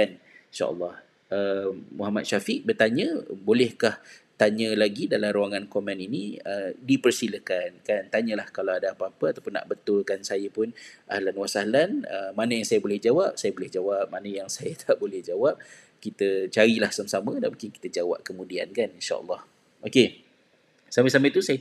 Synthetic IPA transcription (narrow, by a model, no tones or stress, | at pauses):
kaninʃa̰ʔə̰lːɑh | ʔəmuɦamat̪̚ʃafiʔ̚bərt̪aɲə̃bolɛhkaht̪aɲə̃laɡidalamɾuaŋankomɛ̃ninĩədipərsiləkankant̪aɲə̃lahkalawadaapaːpəat̪awpʊnːa̰ʔbət̪ʊlkansajəpʊnʔahlanwasalanə̰manəjaŋsajabolɛhd͡ʒawap̚sajəbolɛhd͡ʒawap̚manəjaŋsajət̪ʰaʔbolɛhd͡ʒawap̚ | kit̪ət͡ʃaɾilahsamsamə̃danmũŋkɪnki̥t̪əd͡ʒawa̰p̚kəmũdia̰nkaninʃa̰ʔə̰lːɑh | ʔoke | saməsamət̪usaj